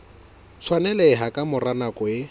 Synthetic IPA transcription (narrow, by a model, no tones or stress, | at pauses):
sʰwanɛlɛɪɦakʼamʊranakʼɔɪ